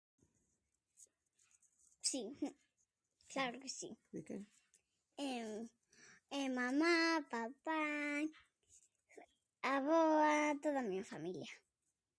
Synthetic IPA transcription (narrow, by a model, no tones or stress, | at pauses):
si | klaɾʊkesḭkḛ | ɛ | ɛmamapapaj | aβoat̪oðamĩɲafamiljɐ